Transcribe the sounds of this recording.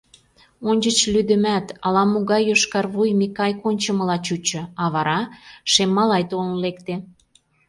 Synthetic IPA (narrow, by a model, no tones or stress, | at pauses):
onʲt͡ɕə̆t͡ɕlyd̪ə̆mæt̪ɑlɑmoɣɑjoʃkɑrβujmikɑjkonʲt͡ɕəməlɑt͡ɕut͡ɕɤ̆ɑβɑɾɑʃemːɑlɑjt̪ollekt̪e